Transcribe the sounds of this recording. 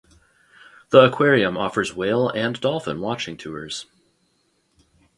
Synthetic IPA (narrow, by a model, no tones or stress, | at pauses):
ðiəkʰw̥ɛɹiɨ̃mɔfə˞zweɪlˠɨ̃ndɔlˠfə̰̃nwɑt͡ʃɪ̃ŋtʰʉə̰˞z̥